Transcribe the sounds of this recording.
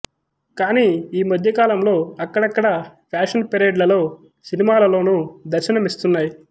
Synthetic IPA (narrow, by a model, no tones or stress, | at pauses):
kaːniːiːmɐd̪ʱjɐkaːlɐmlo̞ːɐkːɐɽɐkːɐɽɐpʰaːʂɐnpeɾeːɖlɐlo̞ː | sinimaːlɐlo̞ːnud̪ɐɾʃinɐmist̪unːaːji